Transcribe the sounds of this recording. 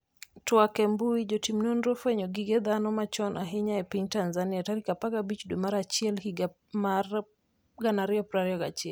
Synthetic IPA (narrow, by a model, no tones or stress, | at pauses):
twakɛmbuid͡ʒɔtimnɔnɾɔfɛɲɔɡiɡɛðanɔmat͡ʃɔnaɦiɲaɛpiɲtanzaniataɾikapaɡabit͡ʃduɛmaɾat͡ʃiɛlhiɡa | mar | ɡanaɾiɔpɾaɾiɔɡat͡ʃiɛl